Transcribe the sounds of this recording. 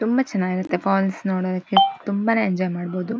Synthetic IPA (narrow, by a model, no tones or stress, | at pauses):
t̪umbɐt͡ʃɛnːaːɡiɾut̪ːe̞pʰaːlsnoːɽoːd̪ɐkːet̪umbaneːɲd͡ʒɔːjmaːɽboːd̪u